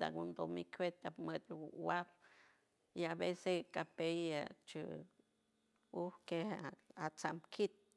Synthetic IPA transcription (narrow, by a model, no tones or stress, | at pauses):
d̪a̰ɡund̪omikʰwet̪apmət̪wap | iabesekapejat͡ʃɨ̰ | uhkehat͡samkʰit̪̚